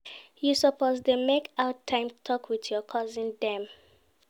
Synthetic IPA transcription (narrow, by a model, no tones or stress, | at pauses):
jusɔpʰozdemekʰaʊtʰãɪ̃mtʰɔkʰwitjɔkʰɔzĩndɛ̃m